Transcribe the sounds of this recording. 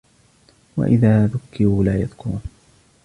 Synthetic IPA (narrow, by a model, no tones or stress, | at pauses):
wa̰ʔɪðaːðʊkːɪɾuːlaːjaðkʊɾuːn